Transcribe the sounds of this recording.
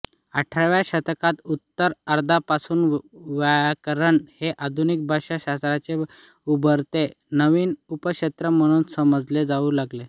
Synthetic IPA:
aʈʰaʋjaɕət̪əkat̪ut̪ːəɾəɾd̪ʱapasuːnʋakəɾəɳheʔad̪ʱunik̚bʱaɕaɕast̪ɾat͡se | ubəɾt̪e | nəʋiːnupəɕet̪ɾəm̤əɽ̃uːnsəməd͡zled͡zauːlaɡle

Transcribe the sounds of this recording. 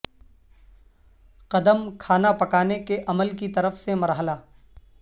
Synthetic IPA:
qɐd̪əmkʰaːnapɐkaːnekeʔɐməlkit̪ɐɾəfsemɐɾɦəlaː

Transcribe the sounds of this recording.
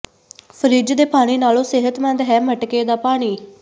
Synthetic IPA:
pʰəɾiːd͡ʒd̪eːpaːɽ̃iːnaːlõːsɪɦət̪mɛ̃nd̪ɦɛːməʈkeːd̪aːpaːɽ̃iː

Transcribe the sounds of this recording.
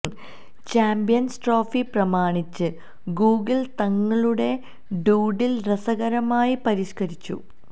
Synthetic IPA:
t͡ɕaːmbijɐnsʈroːfiprɐmaːɳit͡ɕːɨ | ɡuːɡɐɭt̪ɐŋːɐɭuɽe̞ | ɖuːɖilrɐsɐɣɐɾɐmaːjipɐɾiʂkɐɾit͡ɕːṵ

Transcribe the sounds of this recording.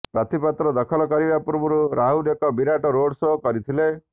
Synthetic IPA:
pɾat̪ʰipat̪ɾɔd̪ɔkʰɔlɔkɔɾibapuɾbuɾuɾaɦunekɔbiɾaʈɔɾoɽsoɦkɔɾit̪ʰile

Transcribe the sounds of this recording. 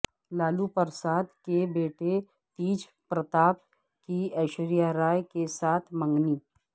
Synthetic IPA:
laːlupəɾsaːd̪kebeːʈe | t̪iːd͡ʒ | pɾət̪aːp̚ | kiɛːʃɾijaɾaːjkesaːt̪ʰmə̃ŋɡniː

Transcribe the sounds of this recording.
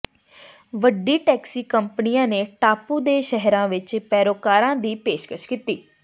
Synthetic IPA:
ʋəɖiːʈɛːksiːkəmpəniːãːneːʈaːpuːd̪eːʃəɦɾãːʋɪt͡ʃpɛːɾoːkaːɾãːd̪iːpeːʃkəʃkiːt̪iː

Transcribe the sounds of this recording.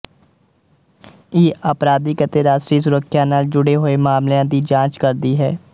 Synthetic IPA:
iːəpɾaːd̪iːkət̪eːɾaːsʈɾiːsʊɾəkʰːjaːnaːld͡ʒʊɽeːɦoːeːmaːmljãːd̪iːd͡ʒãːt͡ʃkəɾd̪iːɦɛː

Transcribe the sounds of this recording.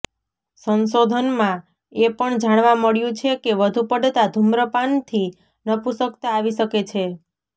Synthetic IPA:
sənsod̪ʱənmã | epəɳd͡ʒaɽ̃ʋaməɭjũt͡ʃʰekeʋəd̪ʱupəɖʱt̪ad̪ʱumɾəpant̪ʰi | nəpusəkt̪aːʋiʃəket͡ʃʰe

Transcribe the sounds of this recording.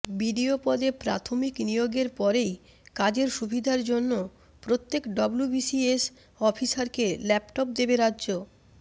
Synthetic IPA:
biɖiopɔd̪epɾa̰t̪ʰomiknijoɡeɾpɔɾej | kad͡ʑeɾʃubʱid̪ʱaɾd͡ʑonːo | pɾot̪ːekɖɔblubisies | ɔfisaɾkelɛpʈop̚d̪ebeɾadːd͡ʑo

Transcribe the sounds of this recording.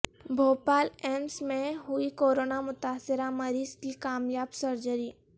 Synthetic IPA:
bʱoːpaːlɛːmsmẽɦʊikoːɾoːnamʊt̪aːsɪɾamɐɾiːzkikaːmjaːbsɐɾd͡ʒəɾiː

